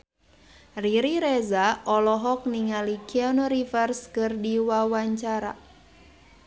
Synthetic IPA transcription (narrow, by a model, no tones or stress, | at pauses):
riɾiɾezaɔlɔɦɔk̚niŋalikiɔnɔɾifərskɨrdiwawaɲt͡ʃaɾa̰